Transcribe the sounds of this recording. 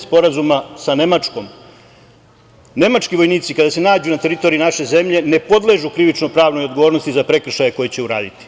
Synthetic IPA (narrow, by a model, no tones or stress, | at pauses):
spo̞ɾazumasane̞mat͡ʃko̞m | ne̞mat͡ʃkiʋo̞jniːt̪sikad̪ase̞naːd͡ʑunat̪e̞ɾit̪o̞ɾinaʃe̞ze̞mʎe̞ne̞po̞d̪le̞ʒukɾiʋit͡ʃnopɾaːʋno̞jod̪̚ɡo̞ʋoːɾnost̪izapɾe̞kr̩ʃajeko̞jet͡ɕe̞uɾa̰ːd̪it̪i̥